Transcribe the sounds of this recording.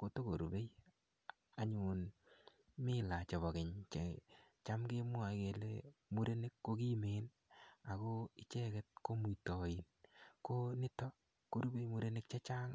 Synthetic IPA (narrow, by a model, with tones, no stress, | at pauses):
ko˨˦to˦ko˨ɾu˨be˦j | a˨ɲʊ˨n | mɪ˦la˨t͡ʃɔ˨βɔ˨kɪ˨ɲt͡ʃ | t͡ʃa˦mɡe˦mʊ˦a˨˦ɡe˨lḛ˦mu˦ɾe˦ne˦kːo˦ki˦me˨˦n | a˨ko˦ɪ˨t͡ʃɛ˦kɛ˦t̚ko˦mu˨tɔ˨ji˨nko˦nɪ˦tɔ˦ | ko˦ɾu˦be˦jmu˦ɾe˦ne˦k̚t͡ʃa˦t͡ʃa˦ŋ